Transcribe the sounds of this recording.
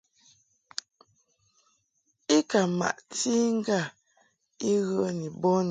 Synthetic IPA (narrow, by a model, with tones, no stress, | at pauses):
i˦ka˨ma̰˨ʔti˦ŋ̩˦ɡa˦˨ | i˦ɣə˦ni˨bɔ˦n